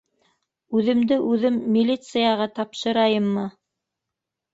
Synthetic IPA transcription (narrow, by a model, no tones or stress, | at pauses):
ʉðɘ̆md̪ɘʔʉðɘmːilʲit̪sɨjɑʁɑt̪ɑpʃɤ̆ɾɑjɤmːɤ